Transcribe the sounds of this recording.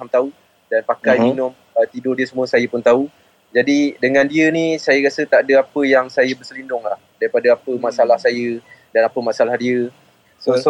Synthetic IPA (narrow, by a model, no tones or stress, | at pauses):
amt̪au | danpakajminʊm | ət̪idʊrdiəsəmũəsajəpʊnt̪au | d͡ʒadidəŋandiənisajəɾasət̪adəapəjaŋsajəbərsəlindʊŋla̰hdaɾipadəapəmasalahsajədanapəmaʔsalahdiə | sos